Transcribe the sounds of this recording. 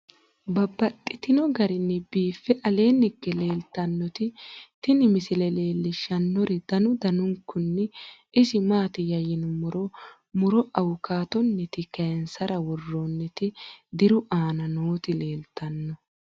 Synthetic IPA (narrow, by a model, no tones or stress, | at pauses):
bɐbːɐt̪ʼːɪt̪ɪnɔɡɐɾɪnːɛbiːfːɛʔɐle̞ːnɪɡːɛle̞ːlt̪ɐnːɔt̪ɪt̪ɪnɪmɪsɪlɛle̞ːlːɪʃɐnːɔɾɛd̪̥ɐnʊd̪ɐnʊŋkːʊnːɛ | ɪsɪmaːt̪ɪjɐjɪnɔmɔɾɔ | mʊɾɔʔɐwʊkaːt̪ɔnːɛt̪ɪkɐjɛnsɐɾɐwɔrːonːɛt̪ɪd̪ɪɾʊʔaːnɐnoːt̪ɪle̞ːlt̪ːɐnːɔ